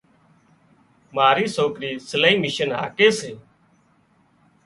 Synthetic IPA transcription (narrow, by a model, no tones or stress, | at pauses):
maːɾiːsoːkɾiːsələiːmɪʃənɦa̰ːkeːseː